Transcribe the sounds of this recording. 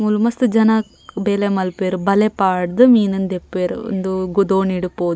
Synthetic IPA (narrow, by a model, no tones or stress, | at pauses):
mulumɐst̪ud͡ʒɐnɐ | beːlemɐlpeːɾubɐlepaːɽd̪umiːnɐnd̪epːeːɾo̰nd̪uɡud̪oːniɽupoːd̪